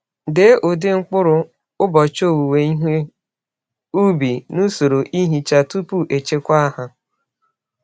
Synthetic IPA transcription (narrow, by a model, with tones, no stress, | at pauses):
de˨˦ʔʊ˨dɪ˦ŋ͡m̩˦k͡pʊ˦ɾʊ˨ | ʊ˦bɔ˨t͡ʃo˦˨wu˨we˨i˦ɦʷe˦ | u˦bi˨nu˦so˨ɾo˨ʔi˦ɦi˨t͡ʃa˨tu˦pu˦ʔe˨t͡ʃe˦kʷa˦a˦ɦa˦